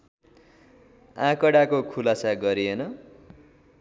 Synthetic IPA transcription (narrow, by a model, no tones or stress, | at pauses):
ãkʌɽakokʰulasaɡʌɾienʌ